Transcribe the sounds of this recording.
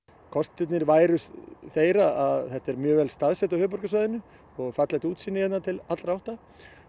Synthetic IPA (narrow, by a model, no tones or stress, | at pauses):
kʰɔst̪t̪ʏt̪nɪɾvaːjɾʏsθeːjɾaaðθɛht̪ɛɾmjœːɣvɛlst̪aðsɛt̪awhʏːp̬ɔɾkasvajðɪnʏ | ɔɣfat̪lajt̪uːt̪siːnːʏjɛt̪nat̪ʰɪlat̪ɾawht̪a